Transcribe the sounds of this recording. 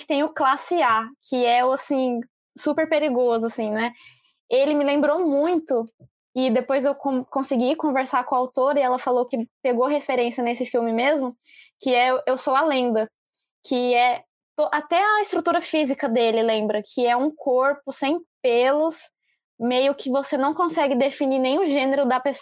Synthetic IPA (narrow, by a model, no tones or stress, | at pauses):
t͡ʃɪt̪ẽj̃ʊklasɪakʰɪɛwasĩ | supeɾpeɾiɡozʊasĩnɛ | elɪmɪlẽmbɾomũj̃t̪ʊ | ɪd̪epojzewkõkõsiɡikõveɾsaɾkõawt̪oɾɐɪɛlɐfalowkɪpeɡoɦefeɾẽsiɐnesɪfiwmɪmezmʊ | kɪɛewsowɐlẽnd̪ɐ | kʰɪɛ | t̪oʔat̪ɛɐɪst̪ɾut̪uɾɐfizikɐd̪elɪlẽmbɾɐkʰɪɛũkʰoɾpʊsẽj̃pelʊs | mejʊkɪvosenɐ̃w̃kõsɛɡɪd̪efininẽj̃ʊ̃ʒẽneɾʊd̪ɐpes